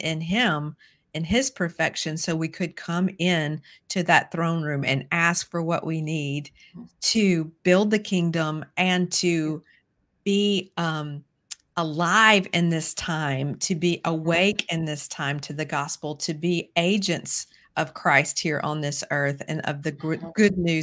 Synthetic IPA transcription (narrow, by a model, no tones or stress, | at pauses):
ʔɪ̃nɪ̃m | ɨ̃nɪz̥pʰə˞fɛkʃɨ̃nsoʊwikʰɨd̚kʰʌ̃mɪ̃n | tʰɨðɨt̪̚θɹõʊ̃nɹʉ̃mɨ̰̃næskfə˞wʌ̰ʔwinid̚ | tʰɨb̥ɪlˠd̪̚ðɨkʰɪ̃ŋdə̃mʔɨ̃ntʰɨ | b̥i | əlaɪvɪ̃nðɪstʰãɪ̃mtʰɨbiʔəweɪkɨ̃nðɪstʰãɪ̃mtʰɨðɨɡɑspl̩ˠtʰɨbieɪd͡ʒɨ̃nts | ʔʌv̥kʰɹ̥aɪst̚hiɹʔə̰̃nðɪsɜ˞θɨ̰̃nʌ̰vðɨɡɡ̥ʊdⁿnʉ